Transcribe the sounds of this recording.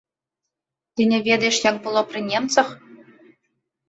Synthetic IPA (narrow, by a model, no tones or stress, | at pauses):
t̪ʲinʲĕvʲed̪eʂjɑŋpulˠoprʲinʲemt͡sɤ̆χ